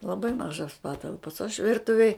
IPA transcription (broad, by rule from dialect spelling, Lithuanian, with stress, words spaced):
lˠɐˈbɐɪ ˈmɑːʒoːs ˈpɑːtɐlˠpoːs ɐʃ ˈʋʲɪrtʊʋʲeːj